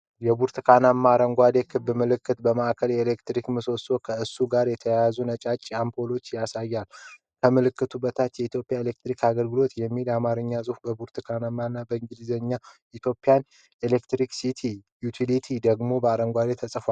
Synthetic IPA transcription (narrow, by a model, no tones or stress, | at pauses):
jɛbuɾt̪ʰɨkʰanamːaɾəŋɡʷad̪e̞kʰɨbːɨmɨlɨkːɨt̪bəmaʔkʰəljɛelekt̪ɾikmɨso̞so̞kʰəɨsuɡaɾjɛt̪ʰəjajazunət͡ʃʼat͡ʃʼːiampʰo̞lo̞t͡ʃːjasajːal | kʰəmɨlɨkːɨt̪ʰubət̪ʰat̪jɛit̪ʰjo̞pʼjaelek̚t̪ɾikaɡəlɡɨlo̞t̪jɛmːilamaɾɨɲːazʼuhbəbuɾt̪ʰɨkʰanamːanːabəɨŋɡɨd̪izəɲːa | it̪ʰjo̞pʼːjan | elekt̪ɾiksit̪ʰi | jut̪ʰilit̪ʰid̪əɡmo̞bəaɾəŋɡʷad̪e̞t̪ʰəsʼfal